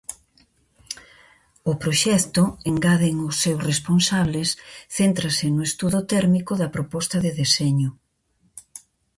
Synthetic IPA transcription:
ʊpɾoʃɛkt̪ʊeŋɡaðeŋʊsːewsresponsaβlesθent̪ɾɐsɪnʊest̪uðʊt̪ɛɾmikʊðɐpɾopɔst̪ɐðeðesɛɲʊ

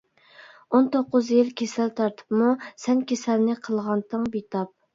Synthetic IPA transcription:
ont̪ʰoqːʊzjɪlkʲʰesɛlt̪ʰɑɾt̪ʰɨ̥pmusɛnkʲesɛlnɪqʰəlˠʁɑnt̪ʰəŋbet̪ɑp̚

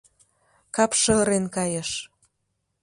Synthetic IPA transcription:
kɑpʃɤ̆ɾenkɑjə̆ʃ

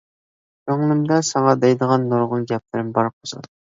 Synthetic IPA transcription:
øŋnɨmd̪ɑsɑŋɑd̪ɛjd̪əʁɑnːoɾʁʊnɡʲɛp̚lɪɾɪmbɑɾqʰozɑ̰d̪

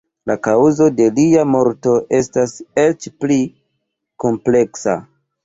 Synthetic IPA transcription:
lakawzo̞de̞liamo̞ɾto̞ʔe̞stase̞t͡ʃpli | ko̞mple̞ksa̰

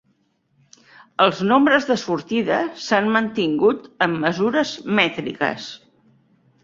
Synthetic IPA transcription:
əlˠznombɾəzðəsuɾt̪iðəsanmənt̪iŋɡut̪əmːəzuɾəzmɛt̪ɾḭkə̰s

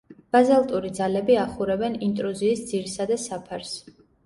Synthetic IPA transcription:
b̥azalˠt̪ʼuɾid̪zalɛbiaχuɾɛbɛnint̪ʼɾuziːsd̪z̥iɾsad̪asapʰaɾs

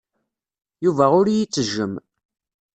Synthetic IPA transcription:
juvæʊɾjit͡sːəʒːəm

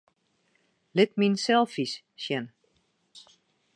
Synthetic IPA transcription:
lɪt̚minsɛlˠfis | ʃjɛn

